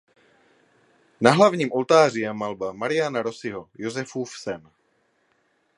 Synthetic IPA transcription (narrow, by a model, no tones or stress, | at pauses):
naɦlavɲiːmʔo̞lt̪aːr̝ɪjɛmalbamaɾɪjanaɾo̞sɪɦo̞jozɛfuːfsɛn